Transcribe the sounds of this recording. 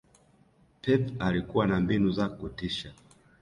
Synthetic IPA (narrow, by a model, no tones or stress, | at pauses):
pɛpalikuwanambinuzakutiʃa